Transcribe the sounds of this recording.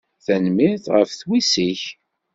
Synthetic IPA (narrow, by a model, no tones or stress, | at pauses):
θænmɪθʁəfθwisiç